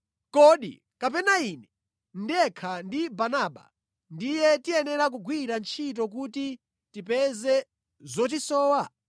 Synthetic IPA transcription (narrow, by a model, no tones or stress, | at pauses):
kɔɗḭ | kap̬ɛnainɛ | n̩dɛkʰandibanaːɓa̰ | ndijɛtiɛnɛɾak̬uɡwiɾant͡ʃʰit̬ɔk̬uti | tipɛzɛ | zɔt̬isɔːwa